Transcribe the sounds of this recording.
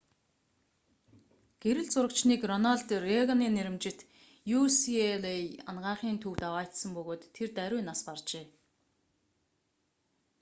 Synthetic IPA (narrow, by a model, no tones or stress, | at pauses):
ɡ̥eɾɘ̆ɮt͡sʊɾə̆kt͡ɕniːkrɔnaɮt̪reɣaniːneɾɪ̆mt͡ɕɪ̆t̪ | jusielejanɢaːχiːnt̪ʰuwt̪awaːt̪sə̆mpɵɣoːt̪ʰːert̪æɾʲʊːnaspart͡ɕeː